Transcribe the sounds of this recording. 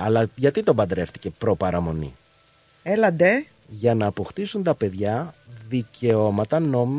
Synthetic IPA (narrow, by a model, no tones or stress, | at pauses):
ɐlɐʝɐt̪it̪o̞bɐnd̪ɾe̞ft̪i̥ce̞pɾo̞pɐɾɐmo̞nḭ | elɐd̪e | ʝɐnɐːpo̞xt̪isunt̪ɐpe̞ðʝɐðice̞o̞mɐt̪ɐno̞mi